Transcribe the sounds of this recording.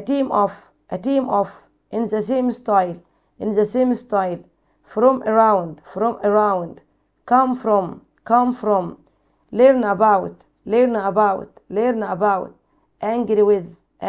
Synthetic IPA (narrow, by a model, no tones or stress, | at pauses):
tĩːmʔɔf | ʔətĩːmʔɔf | ʔɪ̃nzəs̬ẽːmstaɪjl | ɪ̃nzəsẽːmstajl | fɾɔ̃mʔəɹãwndfɾɔ̃məɹãwnd | kãmfɾɔ̃m | kãmfɾɔ̃m | lɛɾnəbawt | lɛɾnəbawt | lɛɾnəbawt̚ | ʔæ̃ŋɡɾiwɪð | ʔ